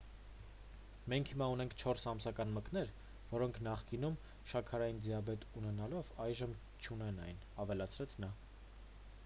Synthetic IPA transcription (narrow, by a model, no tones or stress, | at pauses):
mɛŋkʰhimɑunɛŋkʰt͡ʃʰɔɾsɑmsɑkɑnməkn̪ɛɾ | vɔɾɔŋkʰnɑχkinum | ʃɑkʰɑɾɑjind͡ziɑbɛt̪unɛnɑlɔvɑjʒəm | t͡ʃʰunɛnɑjn | ɑvɛlɑt͡sʰɾɛt͡sʰnɑ